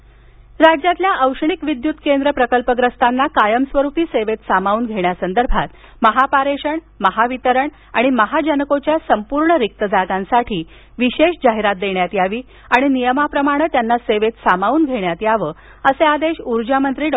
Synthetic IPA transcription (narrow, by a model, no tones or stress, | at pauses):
ɾad͡ʑjat̪ljaʔəwʂəɳikʋid̪jut̪kend̪ɾəpɾəkəlpəɡɾəst̪anːakajəmsʋəɾupiːseʋet̪samauːnɡʱeɳjasənd̪əɾbʱat̪ | məɦapaɾeɕəɳ | məɦaʋit̪əɾəɳ | a̰ɽ̃iməɦad͡ʑənəkot͡ɕjasəmpuɾɳəɾik̚t̪əd͡zaɡãnsaʈʰiː | ʋiɕeɕd͡ʑaɦiɾat̪̚d̪eɳjat̪jaʋiː | aɽ̃inijəmapɾəmaɽ̃ət̪janːaseʋet̪samauːnɡʱeɽjat̪jaʋəː | əsead̪eɕuɾd͡ʑamənt̪ɾiːɖ